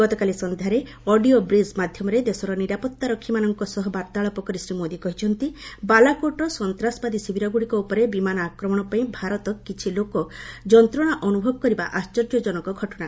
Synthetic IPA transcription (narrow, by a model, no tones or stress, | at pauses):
ɡɔt̪ɔkalisɔnd̪ʱaɾe | ɔɖiobɾismad̪ʱjɔmɔɾed̪esɔɾɔniɾapɔt̪ːaɾɔkʰːimanɔŋkɔsɔɦɔbaɾt̪aɭɔpɔkɔɾisɾimod̪ikɔɦit͡ʃʰɔnt̪ibalakoʈɔsɔnt̪ɾasɔbad̪isibʱiɾɔɡuɽikɔupɔɾebimanɔakɾɔmɔɽ̃ɔpaĩbʱaɾɔt̪ɔkkit͡ʃʰilokɔd͡ʒɔnt̪ɾɔɽ̃aʔɔnubʱɔbɔkɔɾibaʔast͡ʃɔɾd͡ʒɔd͡ʒɔnɔkɔɡʱɔʈɔɽ̃a